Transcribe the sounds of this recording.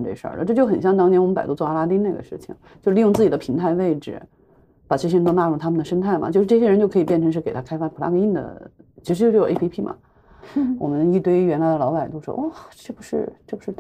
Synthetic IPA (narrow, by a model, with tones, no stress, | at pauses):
ʈ͡ʂe˥˧ʂə̰˞˥˩˧ʈ͡ʂɤ˥˧t͡ɕjo˥˩ʊxə˨˩nɕjɑ˥˩ŋt̪̬ɑ˥ŋʰjɛ˥nwmə˦˥pa˨˩t̪o˥t͡sɔ˥˧a˥la˥t̪i˥ne˥˩ɡə̰˩ʂɻ̩˥˩t͡ɕʰḭ˩ŋt͡ɕjo˥˧ʂi˥˧jt͡sɹ̩˥˩t͡ɕi˨˩d̪ə˦pʰi˧˥ŋt̪ʰa˧˥ɪwe˥˧ɪʈ͡ʂɻ̩̰˩ | pa˨˩t͡ɕ̬ʰɛ˥ɻnt̪o˥na˥˧ɻu˥˩t̪ʰa˥mə˨nd̪ə˩ʂə˥nt̪ʰa˥˩ɪmɐ̰˩t͡ɕo˥˧ʊʂɻ̩˥˧ʈ͡ʂɤ˥˩ɕ̬ɛ˥ɻt͡ɕo˥˧ʊkʰɤ˧˥i˨˩pjɛ˥˩nʰʈ͡ʂʰʂɻ̩˥˩ke˨˩ɪt̪ʰa˥kʰa˥ɪfa˥˩pʰu˨˩la̰˥ki˥˩nd̪ə̰˩t͡ɕʰi˧˥ʂɻ̩˧t͡ɕo˥˧ɻe˥pʰi˥pʰi˥˩mɐ̰˨˩ | wɔ̰˨˩mə˦ni˥˩t̪we˥ɪɥɛ˧˥nla˧˥d̪ə˧lɑ˧˥ʊpa˨˩ɪt̪o˥ʊʂwɔ̰˥ʔɔ˥˩ʈ͡ʂe˥˩pu˧˥ʂɻ̩˥˧ʈ͡ʂɤ˥˩pu˩ʂɻ̩˥˩